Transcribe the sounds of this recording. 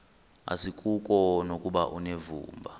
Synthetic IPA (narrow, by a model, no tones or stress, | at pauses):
a̰sik̬ʼuk̬ʼɔnokʼuɓaʔunevṵːmbʱa